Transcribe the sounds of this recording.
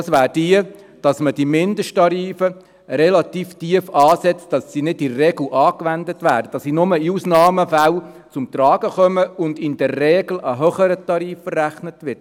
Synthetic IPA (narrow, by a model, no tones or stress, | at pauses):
sʋæːɾd̥iə | d̥ɑsməd̥imɪndəʃtɑɾiːfə | ɾɛlɑt̪iːftiəfɑːsɛt͡std̥ɑsːiːnɪdɪrɛɡl̩ʔɑːkʋændətʋæːɾdəd̥ɑsinʊməiusnɑːməfæl | t͡sʊmt̪ɾɑːɡ̥əχœməʊndɪnd̥ɛrːɛːɡ̥ləɦœχəɾətɑɾiːfərːæχnətʋɪrt